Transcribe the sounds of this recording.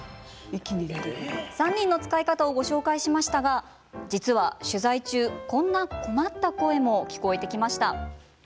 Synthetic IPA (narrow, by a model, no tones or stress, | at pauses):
sãɲ̟ːĩnːo̞t͡sɨ̥kaikat̪ao̞ɡo̞ɕo̞ːkaiɕimaɕi̥t̪aɡa | d͡ʑit͡sɨβaɕɨzait͡ɕɨːkõ̞nːako̞mat̪ːako̞e̞mo̞kʲi̥ko̞e̞t̪e̞kʲimaɕi̥t̪a